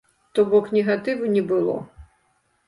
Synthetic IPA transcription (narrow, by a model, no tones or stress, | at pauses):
t̪ɔbɔknʲɛɣat̪ɨvunʲɛbɨlˠɔ̰